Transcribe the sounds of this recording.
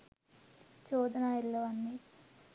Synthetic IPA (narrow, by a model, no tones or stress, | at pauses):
t͡ʃoːd̪ɐnaːilːɐʋɐnːi